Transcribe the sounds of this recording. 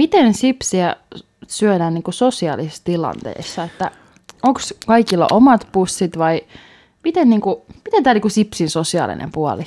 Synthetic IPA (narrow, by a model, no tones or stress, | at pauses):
mit̪ensipsiæ | syødæːnniːŋkusosiɑ̰lisest̪ilɑ̰nt̪ḛːsːɑet̪ːæ | oŋkskɑikilːɑ̰ʔomɑt̪pusːit̪ʋɑi | mit̪enniːŋkumit̪ent̪æːniːkusipsinsosiɑ̰ˑlḭnḛmpuɑ̰li